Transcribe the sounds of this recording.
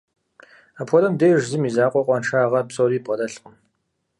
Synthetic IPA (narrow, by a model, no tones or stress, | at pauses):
aːpʰʷɔlɐmdeːʒzɨmiːzaːqʷʼɔqʷʼɔnʂaːʁɐpsʼoɾiːpʼɐdɐɬqʼəm